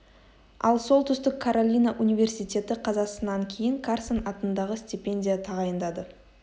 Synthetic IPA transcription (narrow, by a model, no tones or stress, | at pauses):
ɑ̰lˠso̞lˠt̪ʰʏst̪ɪkʰːaɾolʲijnaʔunijvʲe̞rsijt̪ʲe̞t̪ɪqʰɑzɑsənɑŋkʲʰe̞jɪŋkʰarsənɑt̪ənd̪ɑʁəsʲt̪ʲipʲe̞nʲdʲijat̪ʰɑʁɑjənd̪ɑd̪ə